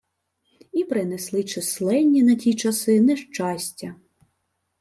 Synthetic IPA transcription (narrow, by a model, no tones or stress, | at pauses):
ipɾɪneslˠɪt͡ʃɪslˠɛnʲːinɐtʲit͡ʃɐsɪnɛʃt͡ʃɑsʲtʲɐ